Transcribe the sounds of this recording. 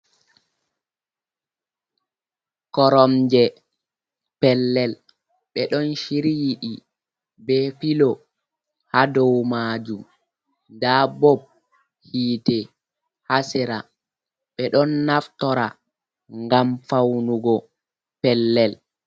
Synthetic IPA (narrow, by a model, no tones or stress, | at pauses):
kɔɾɔmd͡ʒɛ | pɛlːɛl | ɓɛɗɔnʃiɾijiɗi | bɛfilɔ | hadɔwmaːd͡ʒum | dabɔb̚ | hiːtɛ | hasɛɾa | ɓɛɗɔnːaftɔɾa | ŋɡamfawnuɡɔ | pɛlːɛl